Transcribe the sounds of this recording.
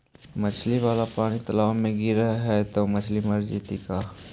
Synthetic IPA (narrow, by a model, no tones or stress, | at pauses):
mɐt͡ʃʰliʋaːlapaːɽ̃it̪ɐlaːmẽɡiɾɐɦɦɛt̪omɐt͡ʃʰlimɐɾd͡ʒiːt̪ikaː